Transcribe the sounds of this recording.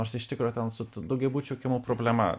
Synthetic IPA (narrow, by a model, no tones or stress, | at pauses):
oːɾsɪʃʲt̪ʲɪkɾoːjot̪ʲɛnsʊt̪d̪ʊɡʲɛbuːt͡ʃʲukʲɪmupɾoːbʲlʲɛmɐ̰